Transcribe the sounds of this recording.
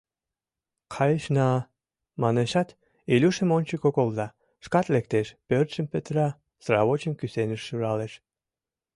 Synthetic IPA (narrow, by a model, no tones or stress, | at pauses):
kʰɑjeʃnɑ | mɑneʃɑt̪ | ilʲuʃə̆monʲt͡ɕəkokolzɑ | ʃkɑt̪lek̚t̪eʃpørt̪ʃəmpet̪ɾɑ | srɑ̰βot͡ɕəmkysenəʃːuɾɑleʃ